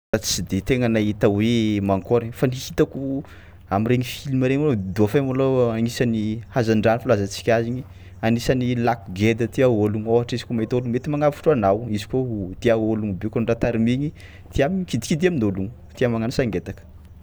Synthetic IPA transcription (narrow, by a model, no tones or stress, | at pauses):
ɾat͡sid̪et̪eŋanait̪awemaŋkoɾifaniit̪aku | amiɾeŋifilmaɾeŋolod̪uafamoloaŋisanihazaɳɖ͡ʐanifulazat͡si̥kʲaziɲi | anisanilakuɡed̪ət̪iaoluŋoɦaʈ͡ʂizikomaɦit̪olumet̪imaŋavfu̥ʈ͡ʂuanawizi̥kot̪iaoluŋbeukanɳɖ͡ʐat̪aɾimiɲi | t̪ʰiamikid̪i̥kid̪iaminoluŋut̪iamaŋanusaŋɡet̪akə̥